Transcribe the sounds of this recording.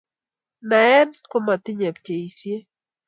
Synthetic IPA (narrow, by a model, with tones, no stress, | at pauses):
na˨ɛ˦nko˦ma˨t̪ɪ˦ɲɛ˨p̚t͡ʃe˨i˨sje˦